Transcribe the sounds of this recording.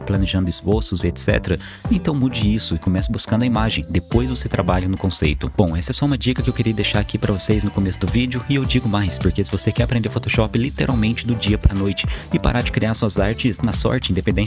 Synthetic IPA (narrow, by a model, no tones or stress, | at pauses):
plɐneʒɐ̃nd̪ʊɪsfoɾsʊzet̪sɛ̰t̪ɾɐ | ẽnt̪ɐ̃w̃mud͡ʒɪisʊɪkõmɛsɐbuskɐ̃nd̪ɐimaʒẽj̃d̪epojzvoset̪ɾabaʎɐnʊkõsḛjt̪ʊb̥õw̃ɛsɛsɔũmɐd͡ʒikɐkɪewkeɾiɐd̪ejʃaɾakipɾɐvosejznʊkomesʊd̪ʊvid͡ʒʊɪewd͡ʒiɡʊmajspoɾkesɪvosekɛɾɐpɾẽnd̪eɾfot̪oʃɔpɪlit̪eɾʔawmẽnt͡ʃɪd̪ʊd͡ʒiɐpɾɐnojt͡ʃɪ̥ɪpa̰ɾʔaɾd͡ʒɪkɾiaɾsuɐzaɾt͡ʃɪsnɐsɔ̰ɾt͡ʃɪĩd̪epẽd̪ẽ